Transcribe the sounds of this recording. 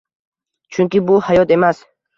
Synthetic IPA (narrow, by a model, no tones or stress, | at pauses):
t͡ʃʰuŋkibuhajɔt̪emas